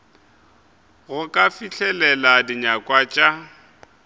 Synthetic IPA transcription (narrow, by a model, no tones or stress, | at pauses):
ɣʊkʼafiɬʰɛlɛladiɲakʼwat͡ʃʼa